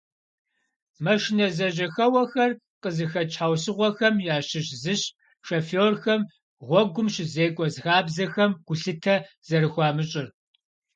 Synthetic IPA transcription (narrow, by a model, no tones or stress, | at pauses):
mɐʃɪnɐzɐʑɐxɐwɐxɐr | qʼəzɨxɐt͡ʃʰʼħawsɨʁʷɔxɐmjaːɕɪɕzɨɕ | ʂɐfoːrxɐm | ʁʷɔɡʷʊmɕɪzeːkʷʼɔzxaːbzɐxɐmɡ̥ʷʊɬɨtʰɐ | z̥ɐɾɨxʷɑːmɨɕʼɪr